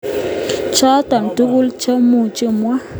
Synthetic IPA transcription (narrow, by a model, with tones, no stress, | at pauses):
t͡ʃa˦t̪a˨n˨t̪u˦ɡu˦lt͡ʃə˦mu˧˨t͡ʃə˦mwa˦